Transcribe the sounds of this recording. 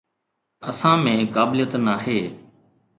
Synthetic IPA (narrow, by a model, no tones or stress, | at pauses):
əsãːmẽːkaːblijət̪naːɦeː